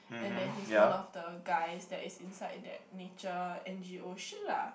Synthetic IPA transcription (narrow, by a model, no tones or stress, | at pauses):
ɛ̃ndɛ̃nisɔlɔfdəɡajsdɛtisĩnsaɪdɛ̰t̚net͡ʃəɛ̃nd͡ʒioʃə̃nla